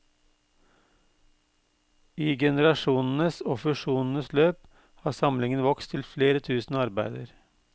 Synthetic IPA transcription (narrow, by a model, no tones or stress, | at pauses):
iːɡɛnəɾɑʃuːnn̩əsɔːfʉʃuːnn̩əsløːp | hɑːsɑmlɪŋənʋɔkst̪ʰɪlfleːɾət̪ʰʉːsn̩ɑɾbæɪd̪əɾ